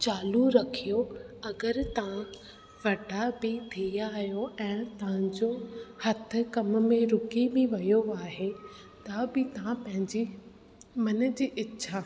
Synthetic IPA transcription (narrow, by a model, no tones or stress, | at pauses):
t͡ɕaːluɾɐkʰijoɐɡəɾt̪ɐʋ̤ã | ʋɐʈabɪt̪ʰijaɦijoɛ̃ːt̪ɐʋ̤ɪ̃ɲd͡ʑohɐt̪ʰɪ̆kɐm̆mẽɾʊkibɪʋɐjoaːɦe | t̪ɐbɪt̪ɐʋãpɐ̃ɦɪ̃ɲd͡ʑi | mɐnə̆d͡ʑiːʔɪtːɕʰa